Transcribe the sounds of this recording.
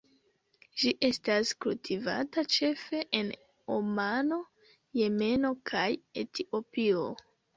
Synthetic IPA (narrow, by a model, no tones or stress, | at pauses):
ʒiʔe̞staskultʰiva̰tat͡ʃe̞fe̞ʔen | omano̞ | je̞me̞no̞kʰaje̞tiʔo̞pio